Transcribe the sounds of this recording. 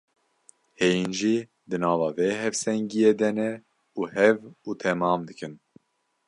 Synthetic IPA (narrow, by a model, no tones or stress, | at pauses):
heːjinʒiː | d̪ɨnɑːvɑːveːɦɛvsɛŋɡijed̪ɛnɛ | uːhɛvuːt̪ʰɛmɑːmd̪ɨkɨn